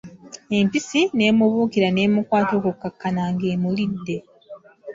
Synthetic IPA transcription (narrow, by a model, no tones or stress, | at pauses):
e̞mpisine̞ːmuβuːkiɾane̞ːmukwaːto̞ːkukːakːanaːŋɡeːmulidːe̞